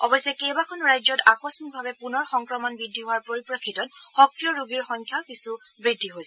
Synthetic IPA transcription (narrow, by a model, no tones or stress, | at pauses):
ɔbɔjsɛkɛjbakʰɔnɹajzɔtakɔsmik̚bʱabɛpunɔɹxɔŋkɹɔmɔnbidʱːiɦowaɹpoɹipɹɔkʰːitɔnxɔkɹijɔɹuɡiɹxɔŋkʰjakisu | bɹidʱːiɦojsɛ